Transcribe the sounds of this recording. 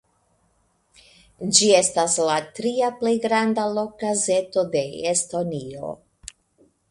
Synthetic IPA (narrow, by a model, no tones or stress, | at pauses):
d͡ʒie̞staslatɾiaple̞jɡɾandalo̞kaze̞to̞de̞esto̞nio̞̰